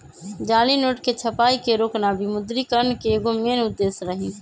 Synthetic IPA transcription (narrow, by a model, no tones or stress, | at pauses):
d͡ʒaːlinoːʈket͡ʃʰəpaikeɾoːknabimʊd̪ɾikəɾnkeːɡomeːnʊd̪ːesɾəɦin